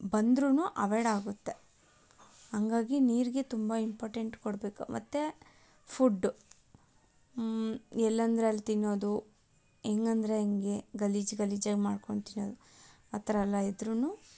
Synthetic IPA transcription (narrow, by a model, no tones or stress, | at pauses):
bɐnd̪ɾunuʔɐʋeɽaːɡut̪ːe | hɐŋɡaːɡiniːɾiɡe̞t̪umbɐimpoːɾʈeɳʈkoɽbeːkumʔɐ̰t̪ːe | pʰuɖː | ɛlːɐnd̪ɾeɐlːt̪inːo̞ːd̪u | eːŋɡɐnd̪ɾe̞ɐŋɡe̞ɡɐliːd͡ʒɡɐliːd͡ʒaːɡemaːɖko̞ɳɖt̪inːo̞ːd̪u | ɐt̪ɾɐlːɐid̪ɾunuː